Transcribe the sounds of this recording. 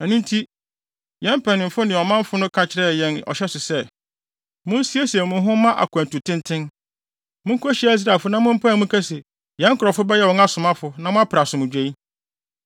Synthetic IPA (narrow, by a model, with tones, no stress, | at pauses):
ɛ˨nũ˦ntʰi˦ | jɛ̃˦mpʰɛ˨nɪ̃˨m̩˨fʊ˦nɪ̃˨ɔ˨mã˦m˦fʊ˦nʊ̃˦kʰa˨t͡ɕʰɪ˦ɾɛ˦˨jɛ̃˦nɔ̰˨ɕɛ˦sʊ˨sɛ˦˨ | mʊ̃˦n˦si˦e˦si˨ɛ˨mʊ̃˨ɦʊ̃˦mã˦ʔa̰˨kʰæ̃˨n˨tu˨tʰɪ̃˦ntʰɪ̃˦n | mʊ̃˦ŋ̩˦kʰɔ˦ɕi˨˦æ˦i˦s̬ɾa˨lfʊ˦nã˦mʊ̃˦m̩˦pʰã˦˨mʊ̃˦kʰa˦se˨ | jɛ̃˨˦ŋ̩˦kʰʊ˨ɾɔ˨fʊ˦bɛ˦jɛ˦wɔ̃˨ŋa˦sʊ˨mã˦fʊ˨nã˦mʊ̃˦a˦pʰɪ˨a˨sʊ̃˨mʊ̃˨d͡ʑᶣe˦i˦